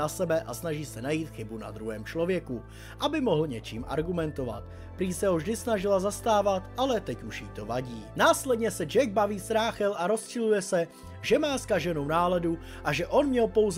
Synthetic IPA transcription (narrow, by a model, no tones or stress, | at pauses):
asɛbɛʔa̰snaʒiːsɛnajiːt̪xɪbuna̰d̪ɾuɦɛːmt͡ʃlo̞vjɛku | ʔabɪmo̞ɦl̩ɲɛt͡ʃḭːmʔa̰ɾɡumɛnt̪o̞va̰t̪̚ | pɾiːsɛɦovʒdɪsnaʒɪlazast̪aːvat̪ʔalɛt̪ɛcuʃjḭːt̪o̞vaɟiːnaːslɛdɲɛsɛd͡ʒɛɡ̚baviːst̪ɾaːxɛlʔaɾo̞sʃɪlujɛsɛ | ʒɛmaːskaʒɛnownaːlɛdu | ʔaʒɛʔo̞nmɲɛlpo̞wz